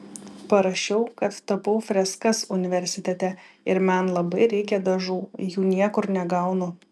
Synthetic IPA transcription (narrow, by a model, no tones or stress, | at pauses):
pɐɾɐʃʲɛʊkɐt̪t̪ɐpɐʊfʲɾʲɛskɐsʊnʲɪʋʲɛɾʲsʲɪt̪ʲɛt̪ʲɛɪɾmʲɛnlˠɐbɐɪɾʲɛɪkʲɛd̪ɐʒuːjuːnʲiɛkʊɾnʲɛɡɐʊnʊ